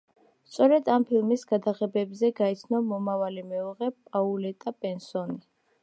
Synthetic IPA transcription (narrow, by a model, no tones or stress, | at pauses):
st̪sʼɔɾɛd̪ampʰilmisɡ̥ad̪aʁɛbɛbzɛɡait̪sʰnɔmɔmavalimɛuʁɛpʼaulɛt̪ʼapʼɛnsɔni